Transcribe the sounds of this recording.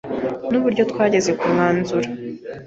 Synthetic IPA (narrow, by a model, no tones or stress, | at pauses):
nuβuɾɟo̞tkwaːɟe̞ze̞kumŋaːnzuɾa